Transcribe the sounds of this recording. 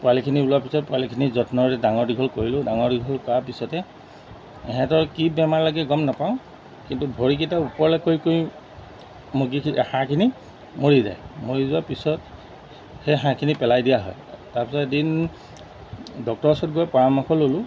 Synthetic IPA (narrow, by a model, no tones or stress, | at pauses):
pʊalikʰinibulʊapisɔt̚pʊalikʰinizɔtnɔɹɛdaŋɔɹdiɡʱɔlkoɹilʊdaŋɔɹdiɡʱɔlkapisɔtɛ | ɛɦɛ̃tɔɹkibɛmaɹlaɡɛɡɔmnapaʊ̃ | kintubʱoɹikitaupɔɹlɛkojkoj | moɡihãkʰini | moɹiza̰jmoɹizʊwapisɔt | hejɦãkʰinipɛlajdijaɦɔ̰jtaɹpisɔedin | dɔk̚tɔɹsɔt̚ɡɔjpɔɹamɔkʰɔlolʊ